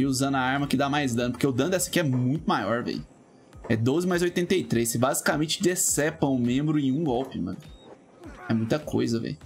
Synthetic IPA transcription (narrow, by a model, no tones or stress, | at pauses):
iuzɐ̃nd̪ʊaaɾmɐkɪd̪amajzd̪ɐ̃nʊpoɾkeʊd̪ɐ̃nd̪ɛsɐ̥kɪɛmũj̃t̪ʊmajɔɾvḛjʊ | ɛd̪ozɪmajzojt̪ẽnt̪eit̪ɾejsɪbazikamẽt͡ʃɪd̪esɛpɐ̃w̃ʊmẽmbɾʊẽj̃ũɡɔwpɪmɐ̰̃nʊ | ɛmũj̃t̪ɐkʰo̰jzɐvḛjʊ